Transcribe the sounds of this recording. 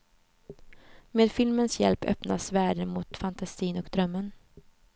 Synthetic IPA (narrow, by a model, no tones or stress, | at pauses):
meːd̪fɪlmənsjɛ̰lpʰœ̰pna̰svæːɖəmʊt̪fant̪ʰasiːnɔkd̪ɾœmːən